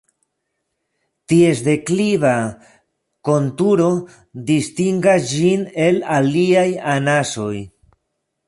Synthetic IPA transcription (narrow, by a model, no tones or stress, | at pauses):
tie̞s̬de̞kliva | ko̞ntuɾo̞ | distiŋɡasd͡ʒine̞laliajanaso̞j